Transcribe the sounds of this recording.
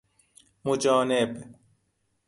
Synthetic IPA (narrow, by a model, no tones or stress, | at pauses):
mʊd͡ʒɔːneb